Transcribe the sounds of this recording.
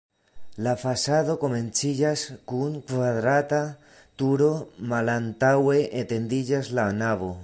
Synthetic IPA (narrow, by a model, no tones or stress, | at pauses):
lafasaðoko̞me̞nt͡sid͡ʒaskuŋkvaðɾat̪a | t̪uɾo̞malant̪awe̞ʔet̪e̞nd̪id͡ʒazlanaβo̞